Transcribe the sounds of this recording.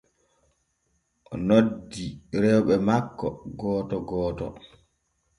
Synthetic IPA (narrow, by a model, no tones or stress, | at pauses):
ʔɔnodːiɾɛwɓɛmakːɔɡɔːtɔɡɔːtɔ̰